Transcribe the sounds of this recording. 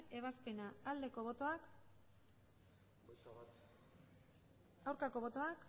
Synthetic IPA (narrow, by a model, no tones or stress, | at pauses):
e̞β̞aspe̞naːld̪e̞ko̞βo̞t̪o̞ak | awɾkako̞βo̞t̪o̞ak